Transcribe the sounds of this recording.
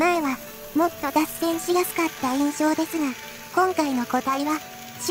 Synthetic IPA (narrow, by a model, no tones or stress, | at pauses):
maeβa | mo̞t̪ːo̞d̪asːẽ̞ɰ̃ɕiɡasɨ̥kat̪ːaẽɰ̃ɕo̞ːd̪e̞sɨŋa | kõ̞ŋkaino̞ko̞d̪aiβa | ɕ